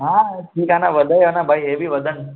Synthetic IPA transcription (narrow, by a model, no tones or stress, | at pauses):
ɦaʈʰiːkanaʋəd̪əjanabʱajebʱiʋəd̪ʱən